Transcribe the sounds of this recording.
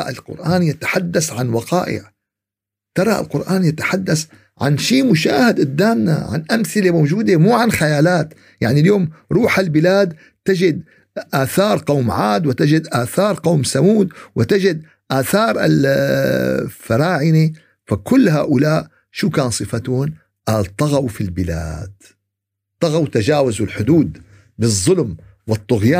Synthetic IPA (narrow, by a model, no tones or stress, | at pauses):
ʔɪ̰lqʊ̰ɾʔaːnjɪt̪ḁħad̪ːasʕanwɑqɑːʔɪ̰ʕ | t̪ɑɾˤɑʔɪ̰lqʊɾʔaːnjɪt̪ḁħad̪ːas | ʕa̰nʃiːmʊʃaːhɪd̪ɪd̪ːaːmna̰ʕa̰nʔamθɪlemowd͡ʒuːd̪emuːʕanxajaːlaːt̪ | ja̰ʕniljoːmɾˤuːħɪlbɪlaːd̪ | t̪ɪd͡ʒɪd̪̚ | ʔaːθɑːɾˤqɑwmʕaːd̪wɪt̪ɪd͡ʒɪd̪ʔaːθɑːɾˤqɑwmsamuːd̪wʔɪt̪ɪd͡ʒɪd̪ | ʔaːθɑːɾˤɪ̰l | faɾˤɑːʕɪni | fakʊlːɦa̰ːʔʊlaːʔ | ʃuːkaːnsˤɨfat̪ʊn | ʔat̪ˤːɑɣawfilbɪla̰ːd̪̥ | t̪ˤːɑɣawt̪ad͡ʒaːwazulħʊd̪uːd̪ | bɨzˤːʊlmwɨt̪ˤːʊɣjaː